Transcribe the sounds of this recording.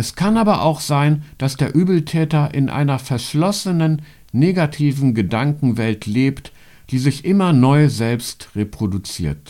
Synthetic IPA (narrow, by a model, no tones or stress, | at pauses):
ʔɛskʰanaːbɐʔa̰ʊxz̥aɪnd̥asd̥eːɐʔyːbl̩tʰɛːtɐʔɪnʔa̰ɪnɐfɛɐʃlɔsənənː | eːɡatʰiːvn̩ɡədaŋkŋ̩vɛltleːpt | d̥iːzɪçʔɪmɐnɔʏzɛlpstʁepʁ̥odut͡sḭːɐt